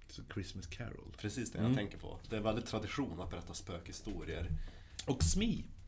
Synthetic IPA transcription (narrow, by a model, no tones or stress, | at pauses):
sɔkʰɾɪsməskʰæ̰ɾə̰lpʰɾɛsiːsd̪ɛ̰jat̪ʰɛŋkəɾpʰɔ̰d̪̥ɛæɾvɛld̪ɪt̪ʰːɾad̪ɪɧuːnat̪̚bɛɾɛt̪ːaspøːkhɪst̪uːɾɪə̰ɾ | ɔksmiː